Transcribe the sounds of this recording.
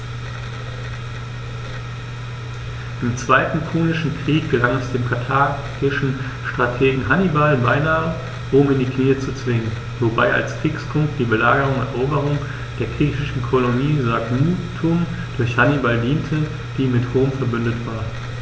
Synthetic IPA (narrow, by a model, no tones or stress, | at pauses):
ʔɪmt͡sv̥aɪtn̩pʰuːnɪʃn̩kʁ̥iːk̚ɡ̥əlaŋɛsd̥eːmkʰatʰaː | ɡ̥ɪʃn̩ | ʃtʁ̥atʰeːɡŋ̩ɦanibalbaɪnaːə | ʁʊmɪndiːkniːət͡sut͡sv̥ɪŋən | voba̰ɪʔa̰lskʁ̥iːkspʰʊŋk̚t̚d̥iːbəlaːɡəʁ̞ʊŋɛ̰ɐʔoːbəʁ̞ʊŋ | d̥eːɐɡʁiːçɪʃn̩kʰoloniːzakmuːtʰːʊm | d̥ʊɐçhanibaldiːntʰə | d̥iːmɪthoːmfɛɐbʏndətv̥aːɐ